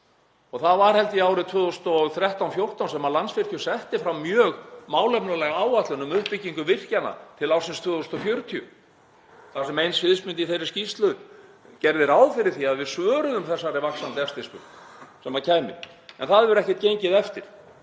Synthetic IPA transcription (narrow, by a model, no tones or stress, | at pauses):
ɔɣθaðvaɾ̥ɦɛlt̪ɪiaːwɾɪt̪ʰvœːðʏsnt̪ɔθɾjɛht̪awnfjowr̥t̪awnsɛmalansvɪr̥t̪ʰiʏsɛht̪ɪfɾawmjœːɣmaːwlɛpnʏlɛɣaːwat̪lʏnʏmʏhpɪcːiŋkʏvɪr̥cana̰t̪ʰɪlawsɪnst̪ʰvœːðʏst̪ɔfjœɥɾt̪ʰiʏ̰ | θasɛmejnsvɪðsmɪnt̪iθejɾɪ̥scist̪lʏ | cɛɾðɪɾaːwfɪɾɪɾ̥θiaðvɪðsvœːɾʏðʏmθɛsːaɾɪvaksant̪ɛfst̪ɪspʏɾt̪sɛmaɾcʰaːjmɪ̰ | ɛ̰nθaðvɛɾʏɛhcɛt̪̚cejɲcɪðɛft̪ɪɾ̥